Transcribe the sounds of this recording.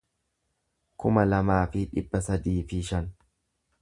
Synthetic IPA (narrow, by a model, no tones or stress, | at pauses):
kʊmɐlɐmaːfɪᶑɪ̰bːɐsɐd̪iːfɪʃɐn